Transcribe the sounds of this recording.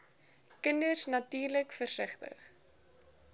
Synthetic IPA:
kəndərsnɐtiːrləkfərsəχtə̰χ

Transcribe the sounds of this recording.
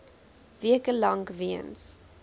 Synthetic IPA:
viəkəlɐŋviəns

